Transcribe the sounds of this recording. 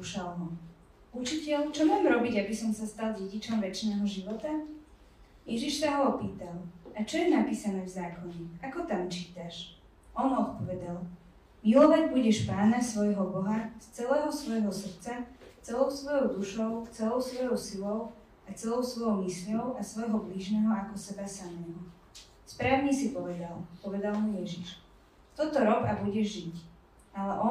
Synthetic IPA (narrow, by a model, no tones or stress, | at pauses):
uʃalɦɔ | ut͡ʃicɛʎt͡ʃɔmaːmɾɔbiɟabisɔmsast̪alɟɛɟit͡ʃɔmʋɛt͡ʃnɛːɦɔʒiʋɔt̪a | jɛʒiʃsaɦɔɔpiːt̪alˠat͡ʃɔjɛnapiːsanɛːvzaːkɔɲɛakɔt̪amt͡ʃiːt̪aʃ | ʔɔnɔt̪pɔʋɛd̪al | milɔʋaɟbuɟɛʃpaːnasʋɔjɦɔbɔɦast͡sɛlɛːɦɔsʋɔjɦɔsr̩t͡sast͡sɛlɔʊsʋɔjɔʊd̪uʃɔʊt͡sɛlɔʊsʋɔjɔʊsilɔʊ | at͡sɛlɔʊsʋɔjɔʊmislʲɔʊʔasʋɔjɦɔbliːʒnɛːɦɔakɔsɛbasamɛːɦɔ | spɾaːʋʊɲisipɔʋɛd̪alpɔʋɛd̪almujɛʒiʃ | t̪ɔt̪ɔɾɔbabuɟɛʒːic | alɛʔɔ